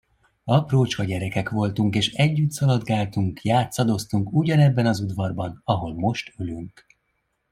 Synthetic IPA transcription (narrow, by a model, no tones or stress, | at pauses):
ɒproːt͡ʃkɒɟɛɾɛkɛkʋo̞lt̪uŋkeːʃɛɟːyt̪sɒlɒd̪ɡaːlt̪uŋkjaːt̪sɒd̪o̞st̪uŋkuɟɒnɛbːɛnɒzud̪vɒrbɒnɒɦo̞lmo̞ʃt̪ylyŋk